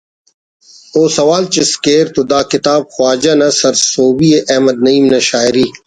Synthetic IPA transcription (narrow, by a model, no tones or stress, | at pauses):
oːsɐwaːlt͡ɕeskeːɾt̪od̪aːkɪt̪aːb̚xwaːd͡ʑɐnɐsɐɾsoːbieʔɐːmɐd̪̚nɐiːmnɐɕaːiɾiː